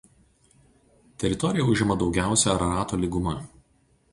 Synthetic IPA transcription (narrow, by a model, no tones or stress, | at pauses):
t̪ʲɛɾʲɪt̪ɔɾʲɪjɛʊʒʲɪmɐd̪ɒʊɡʲæˑʊsʲɛɐɾɐɾɑːt̪oːlʲiɡʊmɐ